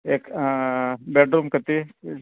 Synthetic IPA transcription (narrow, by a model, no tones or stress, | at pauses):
ek | bɛʈ̚ɖɾumkət̪i